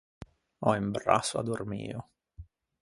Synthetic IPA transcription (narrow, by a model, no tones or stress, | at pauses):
ɔimbɾa̰sʊa̰d̪ormḭːo